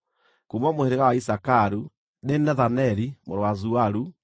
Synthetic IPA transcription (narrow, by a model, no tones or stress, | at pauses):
kumɔmoeɾeɣawaisakaɾu | nenɛðanɛɾimoɾwazuaɾu